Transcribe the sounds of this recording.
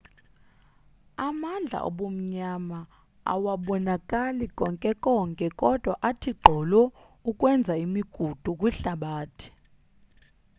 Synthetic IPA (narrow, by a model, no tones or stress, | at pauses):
amand͡ɮʱa̰ʔo̰ɓom̩ɲama | a̰waɓɔnakʼalikʼɔŋkʼɛkʼɔŋkʼɛkʼɔd̥ʱwaʔatʰiɡ͡ǃʱɔlɔ | ukʼwɛnd͡zʱaimiɡ̥ʱud̥ʱukʼwiɬaɓaːtʰi̥